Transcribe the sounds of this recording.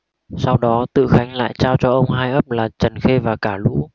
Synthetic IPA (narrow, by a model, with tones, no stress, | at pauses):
sa˧wɗɔ˨˦t̪ɨ̰˧˨xa˨˦jŋ̟la̰ː˧˨jt͡ɕaː˧wt͡ɕɔ˧ʔə˧wŋ͡mɦaː˧jʔə˦˥p̚laː˨˩t͡ɕə˨˩nxe˧vaː˨˩kaː˧˩lṵ˧˥